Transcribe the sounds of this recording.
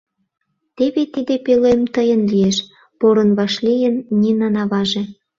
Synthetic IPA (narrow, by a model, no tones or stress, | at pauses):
t̪eβet̪id̪epelemt̪əjənlieʃ | poɾɤ̆nβɑʃlijənːʲinɑnɑβɑʒĕ